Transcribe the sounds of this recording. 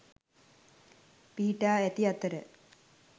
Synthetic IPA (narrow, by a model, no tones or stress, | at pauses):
piːʈːaːet̪iɐt̪ːɐɾɨ